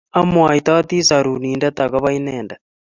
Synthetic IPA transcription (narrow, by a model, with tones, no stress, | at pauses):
a˦mwa˨i˨t̪a˦t̪i˦sa˨ɾu˨niː˨nda˦t̪a˨ka˦βa˦i˦nɛː˨nda˨